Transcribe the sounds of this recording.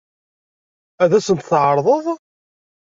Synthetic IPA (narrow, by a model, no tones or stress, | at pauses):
æðæsənt̪θʕəɾˤðˤəðˤ